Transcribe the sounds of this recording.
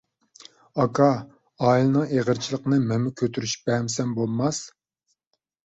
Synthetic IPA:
ɑkʰɑ | ɑːilˠɨnɨŋeʁəɾt͡ʃʰilˠəqənɨmɛmːɪkʲʰøt̪ʰyɾyʃbɛmsɛmbolˠmɑs

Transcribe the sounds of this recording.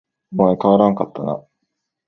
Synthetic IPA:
omaekaβaɾãŋkat̪ːana̰

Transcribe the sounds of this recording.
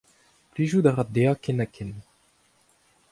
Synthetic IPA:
pliʒud̪aʁad̪eakɛnakʰɛn

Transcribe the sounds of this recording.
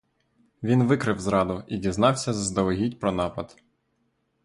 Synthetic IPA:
ʋʲinʋɪkɾɪwzɾɑd̪ʊidʲiznɑwsʲɐzɐzd̪ɔlɔɦʲidʲpɾɔnɑpɐd̪̥

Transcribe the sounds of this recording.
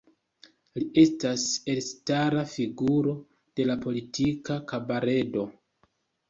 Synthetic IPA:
liʔe̞stase̞lstaɾafiɡuɾo̞ | d̥e̞lapo̞litʰikakabaɾe̞do̞

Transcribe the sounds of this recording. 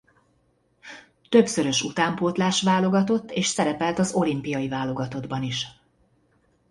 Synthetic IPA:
t̪ø̞bsø̞ɾø̞ʃut̪aːmpoːt̪laːʃʋaːlo̞ɡɒt̪o̞t̪ːeːʃsɛɾɛpɛlt̪ɒzo̞limpijɒivaːlo̞ɡɒt̪o̞d̪bɒniʃ

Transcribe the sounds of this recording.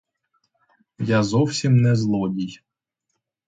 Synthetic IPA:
jazɔwsʲimnɛzlˠɔdʲij

